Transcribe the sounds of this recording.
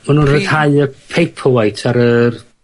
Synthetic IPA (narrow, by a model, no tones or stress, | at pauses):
manunrəð̥haɨəpʰejpʰəwajtʰaɾər